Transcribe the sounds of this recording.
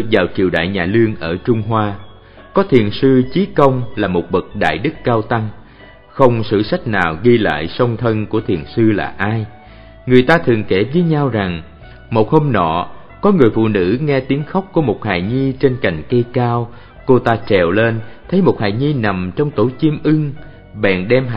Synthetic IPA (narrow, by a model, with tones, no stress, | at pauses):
ɨ˨˩ək̚vaː˨˩wt͡ɕi˨˩əwɗa̰ː˧˨jɲaː˨˩lɨ˧əŋʔəː˧˩t͡ɕʊ˧ŋ͡mɦwaː˧ | kɔ˨˦t̪ʰi˨˩ənsɨ˧t͡ɕi˨˦kə˧wŋ͡mlaː˨˩mo˨˩t̚ɓə˨˩k̚ɗa̰ː˧˨jɗɨ˦˥k̚ːaː˧wt̪a˧ŋ | xə˧wŋ͡msɨ̰˧˨sa˦˥jk̟̚naː˨˩wɣi˧la̰ː˧˨jsə˧wŋ͡mt̪ʰə˧nku˧˩ət̪ʰḭ˨˩ənsɨ˧la̰ː˨˩ʔaː˧j | ŋɨ˨˩əjt̪aː˧t̪ʰɨ˨˩əŋke˧˩və˨˦ɲa˧wza˨˩ŋ | mo˨˩t̚ho˧mnɔ̰˧˨ | kɔ˨˦ŋɨ˨˩əjfṵ˧˨nɨ̰˧˥ŋɛ˧t̪i˨˦əŋxa˦˥wk͡p̚ku˧˩əmo˨˩t̚ha̰ː˧˨jɲi˧t͡ɕe˧nka˨˩jŋ̟kə˧jkaː˧w | ko˧t̪aː˧t͡ɕɛ˨˩wle˧nt̪ʰə˨˦jmo˨˩t̚ha̰ː˧˨jɲi˧na˨˩mt͡ɕɔ˧wŋ͡mt̪o˧˩˦t͡ɕi˧əmʔɨ˧ŋ | ɓɛ̰˧˨nɗɛ˧m˧